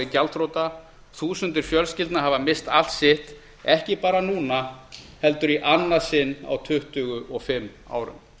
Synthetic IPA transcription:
ɪcalt̪ɾowt̪a | θuːsʏnt̪ɪɾ̥fjœlscɪlt̪naɦavamɪst̪al̥t̪sɪht̪ | ɛhcɪpaːɾanuːnahɛlt̪ʏɾiʔanːasɪnːa̰wt̪ʰʏht̪ʏɣʏʔɔɣfɪmːa̰ːwɾʏ̰m

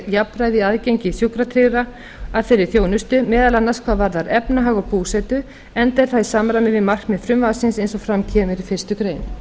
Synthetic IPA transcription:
japɾaːjðɪaðcejɲcɪθjukɾat̪ʰɾɪɣɾa | aðfɪɾɪɾ̥θjoːwnʏst̪ʏmɛːðalanːaɾskʰvaðvaɾðaɾɛpnaɦaːɣɔɣpuːsɛt̪ʏ | ɛnt̪ɛɾ̥θaðisaːmɾamɪvɪmar̥kmɛðfɾʏmvasɪnsejnsɔfɾamcʰɛːmɪɾifɪr̥st̪ʏkɾeːjn

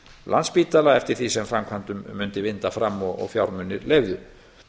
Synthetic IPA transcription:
lʔa̰nspiːt̪alaɛft̪ɪɾ̥θisɛmfɾamkʰvant̪ʏmːʏnt̪ɪvɪnt̪afɾamːɔɣɔ̰ɣfjawɾmʏnːɪɾlejvðʏ

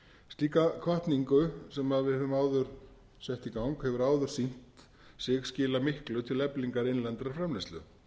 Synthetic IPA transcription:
st̪iːkakʰvaht̪niŋkʏsɛmaðvɪðʏmaːwðʏɾ̥ | sɛht̪ikawŋkhɛvʏɾaːwðʏɾ̥sin̥t̪ | sɛːɣscɪːlamɪhklʏt̪ʰɪlɛpliŋkaɾɪnlɛnt̪ɾaɾfɾamlɛsʏ̰

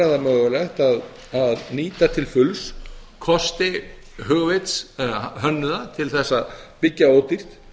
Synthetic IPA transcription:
aðamœːɣʏlɛxt̪að | aðniːt̪at̪ʰɪlfʏlskʰɔst̪ɪ | ɦʏɣvɪt̪sɛðaɦœnːʏðat̪ʰɪlθɛsːaðpɪcːaoːwt̪ir̥t̪

